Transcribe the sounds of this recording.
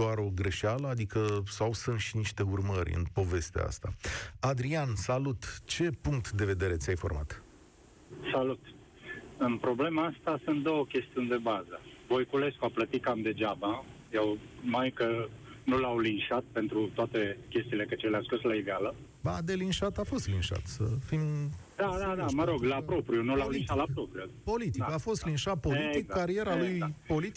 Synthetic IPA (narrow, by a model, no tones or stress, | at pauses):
doaɾo̞ɡɾe̞ʃaləad̪ikəsawsɨnt̪ʃiniʃt̪e̞urməɾʲɨ̰npo̞ve̞st̪ḛa̰st̪a̰ad̪ɾiansalut̪t͡ʃe̞puŋk̚t̪d̪e̞ve̞d̪e̞ɾe̞t̪sʲajfo̞̰rma̰t̪ | salut̪ | ɨnpɾoble̞maast̪asunt̪̚d̪o̞wəkʲe̞st̪iunʲd̪e̞bazəvo̞jkule̞skoaplət̪ikamd̪e̞d͡ʒaba | jewmajkənulawlinʃat̪̚pe̞nt̪ɾut̪oat̪e̞kʲe̞st̪iːlekət͡ʃeleaskɾuslaivealə | ba̰d̪e̞linʃat̪afo̞st̪linʃa̰t̪səfimd̪ad̪ad̪aməɾo̞ɡlapɾo̞pɾiunulawlinʃat̪lapɾopɾijupo̞lit̪ikafo̞st̪linʃat̪̚poit̪ːikkːaɾie̞ɾalujpo̞li